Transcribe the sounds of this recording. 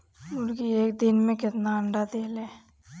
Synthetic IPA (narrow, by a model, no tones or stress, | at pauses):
ʊnkieːk̚d̪ɪnmẽkɪt̪naəɳɖad̪eːleː